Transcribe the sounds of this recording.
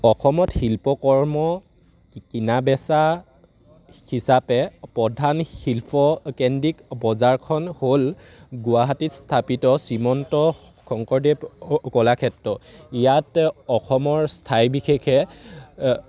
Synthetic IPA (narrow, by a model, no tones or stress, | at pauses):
ɔxʰɔmɔtxilpɔkɔɹmɔ | kinabɛsa | hisapɛpɹɔdʱanhilpʰɔkɛndikbɔzaɹkʰɔnhol | ɡʊwaɦatistʰapitɔsimɔntɔ | kʰɔŋkɔɹdɛpkɔlakʰɛtɹɔijatɔxʰɔmɔɹstʰajbixekʰɛ